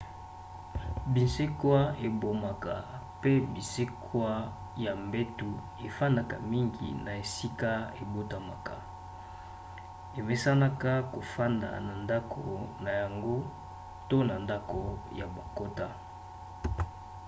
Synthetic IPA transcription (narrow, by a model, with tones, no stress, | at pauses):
bi˨nse˦kwa˦e˨bo˨ma˨ka˨ | pe˦bi˨se˦kʰwa˦ | ja˨mbe˦tu˦ | e˨fa˦nda˨ka̰˨mi˦ŋɡḭ˨na˨e˨si˦ka˦e˨bo˦ta˨ma˨ka˨ | e˨me˦sa˦na˦ka˦ko˨fa˦nda̰˨na˨nda˦kʰo̰˨na˨ja˨ŋɡo˦ | to˦na˨nda˦ko˨ja˨ba˨ko˦ta˦